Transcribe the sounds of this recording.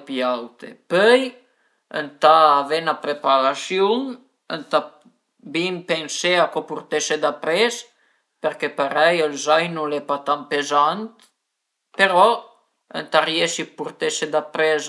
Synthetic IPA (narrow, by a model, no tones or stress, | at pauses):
pjawt̪ɛ̰pøj | ə̰nt̪aːvɛnapɾɛpaɾasjɔn | ənt̪a | bimpɛnsɛakɔpuɾt̪ɛʃɛd̪apɾɛs | pɛɾkɛpaɾɛjəlzajnulɛpat̪ampɛzant̪ | pɛɾɔ | ə̰nt̪arjɛʃipuɾt̪ɛʃɛd̪apɾɛz